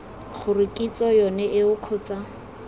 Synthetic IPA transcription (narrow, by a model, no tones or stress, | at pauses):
χʊrɪkʼit͡sʼɔjɔnɛʔɪʊq͡χʰɔt͡sa